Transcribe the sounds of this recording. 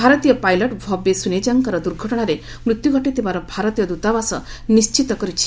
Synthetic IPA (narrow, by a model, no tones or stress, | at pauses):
bʱaɾɔt̪ijɔpajlɔʈbʱɔbesuned͡ʒaŋkaɾɔd̪uɾɡʱɔʈɔɽ̃aɾe | mɾut̪juɡʱɔʈet̪ebaɾɔbʱaɾɔt̪ijɔd̪ut̪abasɔ̰ | nist͡ʃit̪ɔkɔɾit͡ʃʰi̥